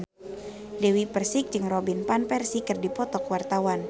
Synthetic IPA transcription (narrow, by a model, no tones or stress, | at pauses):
dɛwipərsɪk̚d͡ʒɨŋrɔbinpanpɛrsikɨrdipɔt̪ɔkwart̪awan